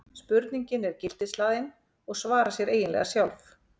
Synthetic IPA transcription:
spʏɾt̪niɲcɪnɛɾ̥cɪl̥t̪ɪslaːðɪn | ɔɣsvaːɾasjɛɾeːjɪnlɛ̰ɣasjawlf

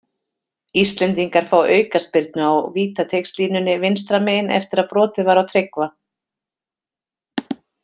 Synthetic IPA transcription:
ist̪lɛnt̪̬iŋkaɾ̥fawʔœːɥkaspɪɾt̪̚nʏawviːt̪at̪ʰejkst̪liːnʏnːɪvɪnst̪ɾameːjɪnɛ̰ft̪ɪɾaðpɾɔːt̪ɪvaɾawt̪ʰɾɪkva

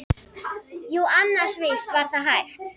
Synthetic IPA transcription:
juanːar̥svɪst̪vaɾ̥θaɦajxt̪

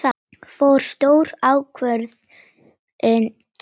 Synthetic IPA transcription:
fowɾ̥st̪owɾaːwkʰvœɾð | ɛn

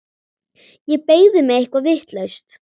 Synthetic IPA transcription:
jɛpeːjðɪmɛɪhkvavɪht̪lœɥst̪

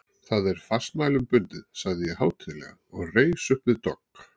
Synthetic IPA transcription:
θaðɛɾ̥fast̪maːjlʏmpʏnt̪ɪðsaɣðɪjɛhaːwt̪ʰɪlɛ̰ɣaɔɣreːjsʏhpvɪðt̪ɔk

